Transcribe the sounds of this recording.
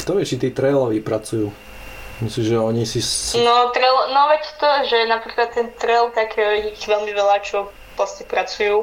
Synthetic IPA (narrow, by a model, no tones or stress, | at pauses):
kt̪ɔʋɪɛʃt͡ʃit̪iːt̪ɾɛjlɔʋipɾat͡sujuː | mislimʒɛɔɲisinɔt̪ɾɛlɔnɔʋɛcɛt̪ɔʒɛnapɾiːklat̪ːɛnt̪ɾɛlt̪akʰɛːɔjixʋɛlmiʋɛlat͡ʃɔ | lasɲɛpɾat͡sujuː